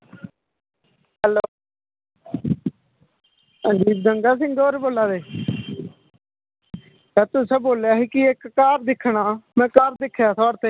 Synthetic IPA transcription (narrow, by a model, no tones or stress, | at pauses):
ɦɛloː | ãːd͡ʒiːb̚d̪əŋɡaːs̬ɪ̃ŋɡɡoːɾboːlaːd̪eː | t̪ɛːt̪ʊsẽːboːljaːɦiːkiekːaːɾd̪ɪkʰːɳaːmɛ̃ːkaːɾd̪ɪkʰːjaːt̪ʰɔːɽt̪eː